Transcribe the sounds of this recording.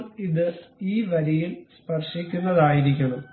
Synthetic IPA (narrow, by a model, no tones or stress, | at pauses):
miðɨiːʋɐɾijilspɐrʂikʲːunːɐðaːjiɾik̬ʲːɐɳɐm